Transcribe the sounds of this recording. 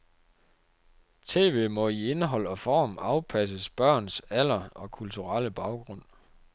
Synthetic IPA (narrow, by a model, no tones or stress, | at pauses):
t͡sʰe̝̰ːʋe̝̰ːmɒ̽ie̝nəɦɒ̽l̰ɒ̽fɒ̰ːmɑ̈ʊpʰæs̬əsb̥ɶɐ̰nsæl̰ɐɒ̽kʰult͡sʰuʁɑl̰əb̥ɑ̈ʊɡ̥ʁɔ̽n̰